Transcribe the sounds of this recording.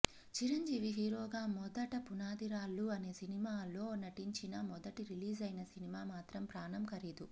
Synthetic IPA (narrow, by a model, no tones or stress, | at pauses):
t͡ʃiɾɐɲd͡ʒiːʋiɦiːɾoːɡaːmɔd̪ɐʈɐpunaːd̪iɾaːlːuɐne̞ːsinimaːlo̞ːnːɐʈiɲt͡ʃinɐmɔd̪ɐʈiɾiliːzɐjnɐsinimaːmaːt̪ɾɐmpɾaːnɐmkɐɾiːd̪u